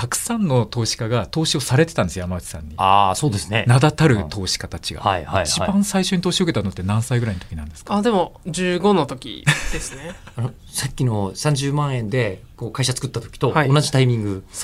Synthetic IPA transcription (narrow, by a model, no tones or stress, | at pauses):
t̪akɯ̟̥sãnːo̞t̪o̞ːɕi̥kaɡat̪o̞ːɕio̞saɾe̞t̪e̞t̪ãnd̪esjojamaβat͡ɕʲi̥sã̰ɲ̟ːiaːso̞ːd̪e̞sɨnenad̪at̪aɾɯ̟t̪ʰo̞ːɕi̥kat̪at͡ɕiɡa̰a̰ihaiit͡ɕibãɰ̃saiɕo̞ɲ̟it̪o̞ːɕioket̪anot̪ːenãɰ̃saiɡɯ̟ɾainot̪o̥kʲinã̰nd̪e̞sɨ̥kaad̪e̞mo̞d͡ʑɨːɡo̞no̞t̪o̞kʲḭd̪e̞sɨne | ano | sakʲːino̞sãɲ̟d͡ʑɨːmãɰ̃ẽ̞nd̪e̞ | ko̞ːkaiɕat͡sɨ̥kɯ̟t̪ːat̪okʲi̥t̪ohaionaʑit̪aimʲĩŋɡɯ̟